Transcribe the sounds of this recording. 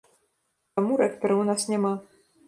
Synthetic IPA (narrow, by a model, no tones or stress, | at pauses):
amuɾɛkpʲɛɾɐwnasnʲama